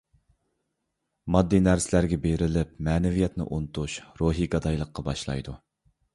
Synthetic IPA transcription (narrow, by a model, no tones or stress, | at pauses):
mɑd̪ːinæɾsɪlæɾɡʲɛbeɾɪlɪp̚mɛːnɛvijɛt̪nɪ̰ʔunt̪ʰuʃɾoɦiɡɑd̪ɑjlˠəqːɑbɑ̰ʃlˠɑ̰jd̪u